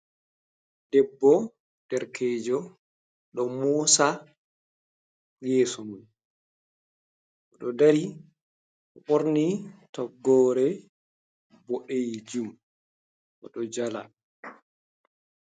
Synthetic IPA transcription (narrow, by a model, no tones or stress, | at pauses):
dɛbːɔ | dɛɾkʰɛːd͡ʒɔ | ɗɔmɔːsa | jɛːsɔmun | ʔɔɗɔdaɾi | ɔɓoɾnitɔɡːɔːɾɛ | bɔʔejd͡ʒum | ʔɔ̰ɗɔd͡ʒala̰